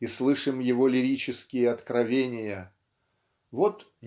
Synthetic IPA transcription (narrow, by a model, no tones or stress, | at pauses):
islˠɨʂɨmjɪvo̞lʲɪɾʲit͡ɕɪskʲɪjəɐt̪kɾɐvʲenʲɪjə | vot̪